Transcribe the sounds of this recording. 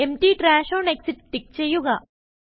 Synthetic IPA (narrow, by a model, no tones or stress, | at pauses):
emʈiːʈɾaːʃoːneksiʈʈːik̚t͡ʃejuɡaː